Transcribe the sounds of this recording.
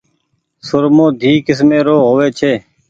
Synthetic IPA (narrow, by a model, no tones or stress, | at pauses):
sʊɾmõːd̪ʱiːkɪs̬mẽːɾoːɦoːʋeːt͡ʃʰeː